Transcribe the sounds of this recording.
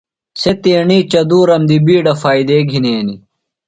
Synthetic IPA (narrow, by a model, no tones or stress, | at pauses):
set̪eːɳiːt͡ɕɐd̪uːɾɐmd̪ibiːɖɐfaːid̪eːɡʱineːni